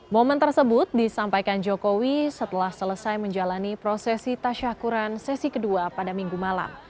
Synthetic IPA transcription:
mɔmənt̪ərsəbʊt̪̚disampajkand͡ʒokowisət̪əlahsələsajməɲd͡ʒalanipɾosɛsit̪aʃakuɾansɛsikəduapadamiŋɡumala̰m

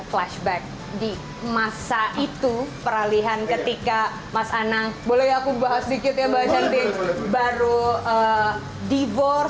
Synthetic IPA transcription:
flaʃbɛk̚ | di | masaʔit̪upəɾaliɦankət̪ika | masanaŋbolɛakubaɦasədikɪt̪̚jabaɦasant̪ɪbaɾuə | divɔr

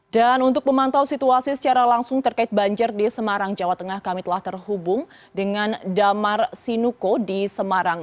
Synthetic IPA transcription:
danunt̪ʊk̚məmant̪awsit̪uasisə̥t͡ʃaɾalaŋsʊŋt̪ərkaɪt̪̚baɲd͡ʒɪrdisəmaɾaŋd͡ʒawat̪əŋahkamit̪əlaht̪ərɦubʊŋ | dəŋandamarsinukodisəmaɾaŋ

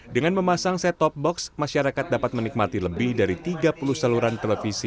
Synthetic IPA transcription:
dəŋanməmasaŋsɛt̪ɔp̚bɔksmaʃaɾakat̪̚dapat̪̚mənik̚mat̪iləbɪhdaɾit̪iɡapuluhsaluɾant̪ələfisi

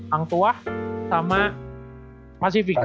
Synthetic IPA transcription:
aŋt̪uasaːmaʔ | pasifik

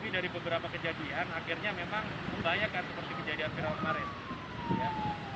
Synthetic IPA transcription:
idaɾibəbəɾapakəd͡ʒadianakirɲamemaŋ | baɲakansəpərt̪iməɲd͡ʒadiafiɾawanmaɾɪn | ja

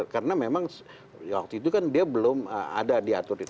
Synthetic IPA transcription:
kaɾənamemaŋs | wa̰k̚t̪uit̪ukandiabəlʊmə̰ma̰dadiat̪ʊɾit̪

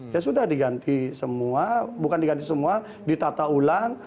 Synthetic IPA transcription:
jasudahdiɡant̪isəmuabukandiɡant̪isəmua | dit̪at̪aulaŋ

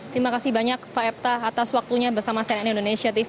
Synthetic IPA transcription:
t̪ɾimakasɪhbaɲak̚paɛp̚t̪aːt̪aswak̚t̪uɲabərsamasɛnɛnindonesiat̪if

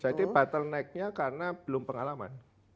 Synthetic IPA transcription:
sad̪ibat̪əlnaɪk̚ɲakarənab̥əlʊmpəŋalama̰n

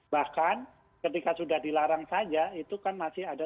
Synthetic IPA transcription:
bahkan | kət̪̬ikasudahdilaɾaŋsad͡ʒait̪ukanmasɪhada

